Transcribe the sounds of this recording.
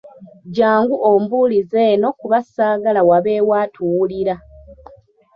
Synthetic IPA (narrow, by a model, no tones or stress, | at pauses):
ɟaːŋɡuʔombuːlizeːno̞kuβasaːɡalawaβe̞ːwaːtʰuwuliɾa